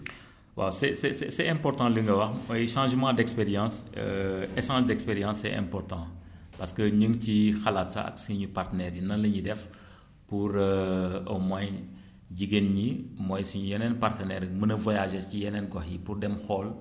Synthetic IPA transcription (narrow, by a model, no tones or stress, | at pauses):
wʔa̰wsɛsɛsɛsɛɛ̃mpɔɾtɑ̃liŋɡɐwɐxmɔjʃɑ̃ːʒmɑ̃ːdɛkspeɾjɑ̃ːsə̰ɛʃɑ̃ːʒdɛkspeɾjɑ̃sːɛ̰ʔɛ̰̃mpɔrtɑ̃ː | pɐskəɲəŋɡcixɐlatsɐ̰ɐ̰ksiɲupartənɛɾjinɐnlɐɲidɛf | puɾəəmaj | ɟiɡenɲimɔjsuɲujɛnɛnpartənɛɾmənɐvɔjaʒɛscijɛnɛnɡɔxjipurdɛmxɔːl